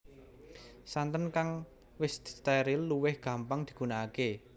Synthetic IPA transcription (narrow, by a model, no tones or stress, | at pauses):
sant̪ənkaŋ | wɪst̪ɛɾilːuwɪhɡ̥a̤mpaŋd̪̥i̤̥kunaːke